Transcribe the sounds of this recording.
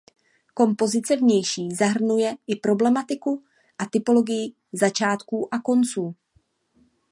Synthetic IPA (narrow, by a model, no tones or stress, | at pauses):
ko̞mpo̞zɪt͡sɛvɲɛjʃiːzaɦr̩nujɛʔɪpɾo̞blɛmat̪ɪku | ʔat̪ɪpo̞lo̞ɡɪjɪ | zat͡ʃaːt̪kuːʔako̞nt͡suː